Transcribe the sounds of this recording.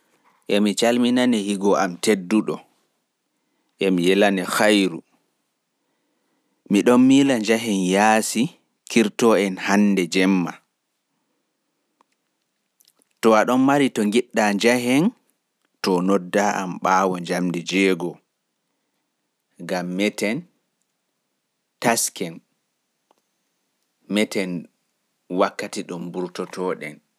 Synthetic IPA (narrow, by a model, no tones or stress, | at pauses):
ʔɛmit͡ʃalminanɛhiɡɔamtedːuɗɔ | ʔɛmijɛlanɛxajɾu | miɗɔnːilaɲd͡ʒaɦɛnjaːsi | kʰiɾtɔɛnhanːdɛd͡ʒɛmːa | tɔaɗɔnmaɾitɔŋɡiɗːaɲd͡ʒaɦɛn | tɔnɔdːaʔa̰mɓaːwɔɲd͡ʒamdɛd͡ʒɛːɡɔ | ɡamːɛtɛn | taskɛn | mɛtɛn | wakːatiɗɔmbuɾtɔtʰɔːɗɛn